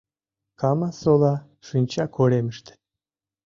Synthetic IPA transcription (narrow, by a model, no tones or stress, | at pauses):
kʰɑmɑsolˠɑ | ʃunʲt͡ɕɑkʰoɾemɨʃt̪ɘ̥